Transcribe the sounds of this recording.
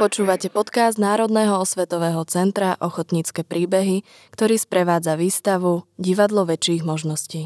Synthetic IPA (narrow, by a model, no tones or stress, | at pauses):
pɔt͡ʃuːʋacɛpɔt̪kazd̪naːɾɔd̪nɛːɦɔɔsʋɛt̪ɔʋɛːɦɔt͡sɛnt̪ɾaʔɔxɔt̪ɲiːt͡skɛːpɾiːbɛɦi | kt̪ɔɾiːspɾɛʋaːd͡zaʋiːst̪aʋuɟiʋad̪lɔʋɛt͡ʃiːɣmɔʒnɔsciː